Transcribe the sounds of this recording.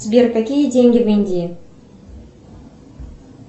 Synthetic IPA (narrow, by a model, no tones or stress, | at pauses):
sbʲerkakʲijədʲeŋʲɡʲɪvenʲd̪ʲi